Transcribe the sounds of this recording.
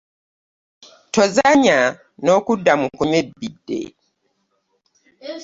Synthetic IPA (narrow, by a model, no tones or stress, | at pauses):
tozaɲa | nokudːamukuɲwebidːḛ